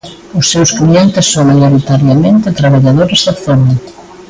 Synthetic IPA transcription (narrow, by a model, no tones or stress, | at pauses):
ʊsːewsklient̪ɪsːoŋmajoɾit̪aɾjamẽnt̪ɪt̪ɾaβaʎaðoɾɪzðɐθonɐ